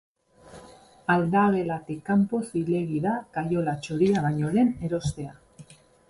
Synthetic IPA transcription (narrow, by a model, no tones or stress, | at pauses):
ald̪aβe̞lat̪ekampo̞sile̞ɣiðakajo̞lat͡ʃoɾiaβaɲo̞ɾe̞ne̞ɾo̞st̪e̞a